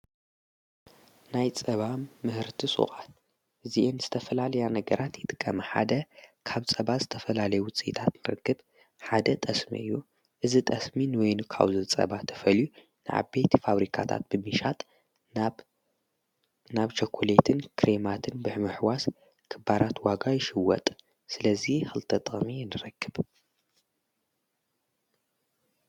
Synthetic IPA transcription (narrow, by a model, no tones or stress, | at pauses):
najt͡sʼɐβamːɨhɨɾt̪ʰisʼṵχʼat̪̚ | ʔɨziʔemzɨt̪ʰɐfɐlalɐjanɐɡɐɾʔat̪jɪt̪ʼɨ̥kʼːɐmɐħa̰d̪ɐkʰaβt͡sʼɐβazɨt̪ʰɐfɐlalɐjuwʊt͡sʼit̪ʰat̪nɨɾɨ̰kːɨb | ħad̪ɐt̪ʼɐsmḭɨjːu | ʔɨzit̪ʼɐsminwɔjnkʰa̰βzɨt͡sʼɐ̰βat̪ʰɐ̥fɐlju | nɨʕa̰bet̪ʰfaβɾikʰa̰t̪ʰa̰t̪̚b̥ɨmɨʃat̪ʼ | naβt͡ʃʰokʰːolet̪ʰɨnkʰɾemat̪ʰɨnbɨħmɨħwas | kʰɨbaɾat̪waɡajɪʃɨwɔ̰t̪ʼ | sɨlɐzixɨlt̪ʰɐt̪ʼχminɨɾɐkːɨb